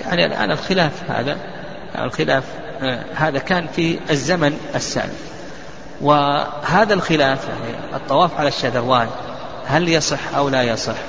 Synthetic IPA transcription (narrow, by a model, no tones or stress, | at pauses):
ja̰ʕniʔa̰lʔa̰ːnɪlxɪlaːfha̰ːða | ja̰ɪ̰lxɪlaːf | haːðakaːnfiɪzːamanʔasːa̰ːl | wɪhaːðalxɪlaːfja̰ʕnḭ | ɨ̰t̪ˤːɑwɑːfʕalaʃːad̪ɑɾwaːn | haljɑsˤɨħʔawlajɑsˤɨħ